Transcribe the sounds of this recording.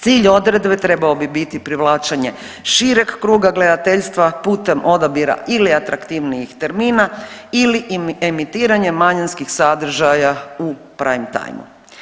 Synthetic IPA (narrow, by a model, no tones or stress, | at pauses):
t̪siːʎo̞d̪ɾe̞d̪be̞t̪ɾe̞baobibit̪ipɾiʋlˠaːt͡ʃaɲe̞ | ʃiɾekːɾuːɡaɡle̞d̪at̪eʎst̪ʋapuːt̪e̞mʔo̞d̪abiɾa̰ʔiliat̪ɾakt̪iʋnijixt̪e̞ɾmiːnailiemit̪iːɾaɲemaɲanskixsad̪r̩ʒajau | pɾaimt̪a̰jmṵ